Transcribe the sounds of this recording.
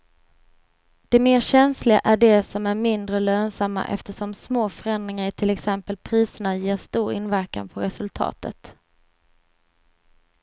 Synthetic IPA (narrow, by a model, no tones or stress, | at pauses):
d̪̥ɛmeːɕɛnslɪɡa̰ʔæɖɛsɔmæɾmɪnd̪ɾəløːnsamːa̰ʔɛ̰ft̪əʂɔmsmoːfœɾɛnd̪ɾɪŋaɾʈ̪ʰɪlɛksɛmpəlpʰɾiːsəɳajeːɾʂt̪uːɾɪ̰nvæɾka̰npʰɔɾɛsɵlt̪ʰɑ̰ːt̪ə̰t̪